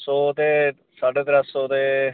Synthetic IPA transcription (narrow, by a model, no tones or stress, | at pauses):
soːt̪eː | saːɖeːt̪ɾəsoːt̪eː